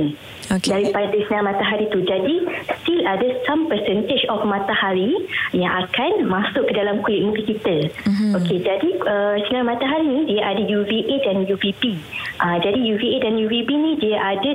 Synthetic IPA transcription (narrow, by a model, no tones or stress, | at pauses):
n | odaɾipadəsəniãmãt̪aɦaɾit̪ud͡ʒadist̪iladəsampəsɛnt̪ed͡ʒɔfmãt̪ahaɾijãŋʔakanmasʊʔkːədalamkujit̪̚mukikit̪əoked͡ʒadiəsənaamãt̪aɦaɾinĩdiaʔadajuviʔedanjuvibiʔəd͡ʒadijuviedanjuvibinĩdiaʔada